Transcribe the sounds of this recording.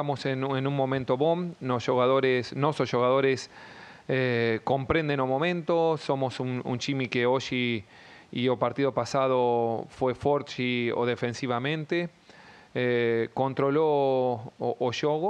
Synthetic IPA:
amosenenũŋmõmẽnt̪oβomnosʃoɣaðoɾesnososʃoɣaðoɾes | ekõmpɾẽnd̪enomõmẽnt̪osomosuŋṵ̃nt͡ʃimikeoʃi | iopaɾt̪iðopasað̞ofwefoɾt͡ʃio̰ðefẽnsiβamẽnt̪e | ekõnt̪ɾolo | oʔːʃoɣo

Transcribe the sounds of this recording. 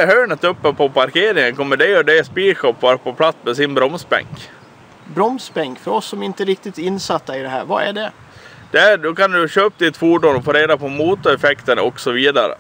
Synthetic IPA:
ɦœːɳət̪ɵpːəpʰɔpaɾkeːɾɪŋənkʰɔmːəɖɛɔɖɛspiːʂɔpːvɑːɾapɔpʰlat̪smɛsɪnbɾɔmsbɛ̰ŋk | bɾɔmsbɛŋkfœɾɔsːɔmɪnt̪əɾɪk̚t̪ɪt̪ɪnːsat̪ːaɪd̪ɛɦæ̰ːɾva̰æ̰ɖɛ | d̪̥ɛæd̪ɔkand̪ɵɕøːp̪̚d̪ɪt̪fuːɖʊnɔfoːɾeːd̪apʰɔmuːt̪ʊɛfɛkt̪ənɔksɔviːd̪aɾə̰

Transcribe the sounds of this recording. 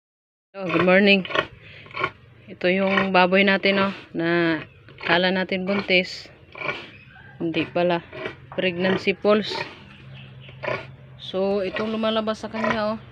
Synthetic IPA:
oɡʊd̪̚moɹnɪŋ | ɪt̪ojʊŋbaːbojnaːt̪ɪnona | kaːlanaːt̪ɪnbʊnt̪ɪs | ɪnd̪ɪʔpalapɾɪɡ̚nansipols | soɪt̪oŋlʊmalabasːɐkaɲaʔo

